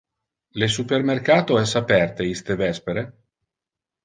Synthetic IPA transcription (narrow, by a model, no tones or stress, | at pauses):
les̬upermerkaːt̪oɛsapɛrt̪eist̪evɛspeɾe